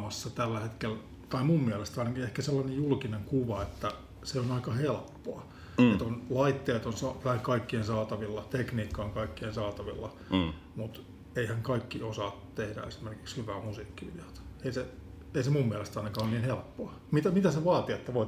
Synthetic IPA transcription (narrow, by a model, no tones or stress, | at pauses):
mɑsːɑt̪ælːæhet̪kel | t̪ɑimummiælest̪ɑinɑkiehkæselːɑnejjulkineŋkuʋɑet̪ːæ | seonɑikɑhelpːoɑ | et̪onlɑit̪ːeːt̪onsɑt̪æiŋkɑikːiensɑːt̪ɑʋilːɑt̪ekniːkːɑːŋkɑikːiensɑːt̪ɑʋḭlːɑ | mut̪ | eihæŋkɑikːiosɑːtt̪ehdæ̰ḛsi̥merki̥kshyʋæːmusiːkːiʋḭlɑt̪eise | eisemumːiælest̪ɑinɑkɑːonniːnhelpːoɑ | mit̪æmit̪æseʋɑːt̪iet̪ːæʋoi